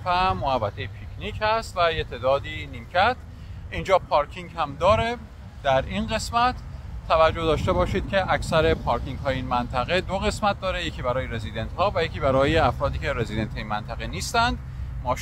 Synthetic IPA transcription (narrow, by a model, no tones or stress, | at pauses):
fæmːoævːæt̪ʰejepʰicʰnichæst̪væjet̪ʰeːd̪ɒːd̪iːnimcʰæɾt̪ | ind͡ʒɒːpʰɒːɾkʰiŋɡhæmd̪ɒːɾe̞ | d̪̥æɾinɢe̞smæt̪ʰt̪ʰːævæd͡ʒːo̞hd̪ɒːʃt̪e̞bɒːʃiːd̪cʰʲe̞ʔækʰsæɾepʰɒːɾkʰiŋɡɦɒːjeiːnmænt̪ʰæɣe̞d̪oɣe̞smæt̪̚d̪ɒːɾejecʰiːbæɾɒːjeɾe̞ziːd̪e̞nt̪hɒːvæjecʰʲiːbæɾɒːjeæfɾɒːd̪iːkcʰe̞ɾe̞zid̪e̞nt̪ʰeinmænt̪ʰæɣeniːst̪ænd̪ | mɒːʃ